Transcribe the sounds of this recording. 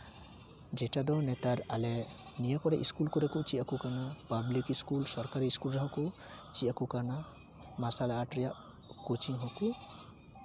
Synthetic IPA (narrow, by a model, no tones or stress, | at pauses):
d͡ʒɛʈad̪ɔnɛt̪aɾalɛnijakɔɾɛʔiskulkuɾɛkut͡ʃiʔakukanapablikiskulsɔɾkaɾiiskulɾaɦɔ̃ku | t͡ʃiʔakukana | masalaːʈɾija | kut͡ʃiɦɔku